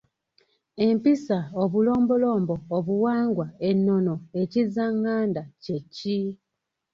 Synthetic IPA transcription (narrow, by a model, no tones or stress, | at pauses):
e̞mpisaoβulo̞ːmbo̞lo̞ːmboːβuwaːŋɡwaenːo̞no̞e̞cizaŋːaːndace̞cːi